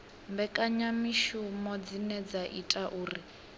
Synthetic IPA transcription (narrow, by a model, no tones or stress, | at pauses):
mbɛkʼaɲamiʃumɔd͡zinɛd͡zaʔḭtʼaʔuːri